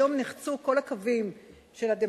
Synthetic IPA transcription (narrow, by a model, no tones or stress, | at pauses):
o̞mniχt͡suko̞lakavim | ʃe̞lad̪e